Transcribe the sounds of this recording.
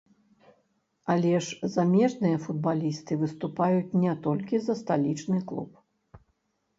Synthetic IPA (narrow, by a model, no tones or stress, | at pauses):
alʲɛʂzamʲɛʐnɨjɐfud̪̚balʲist̪ɨvɨst̪upajut͡sʲnʲɛt̪ɔlʲkʲizɐst̪alʲit͡ʂnɨklˠṵp